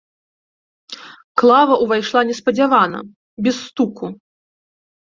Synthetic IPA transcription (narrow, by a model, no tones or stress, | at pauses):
klˠavɐʔuvajʂlˠanʲɛspɐd͡zʲavanɐ̰ | bʲɛsːt̪uku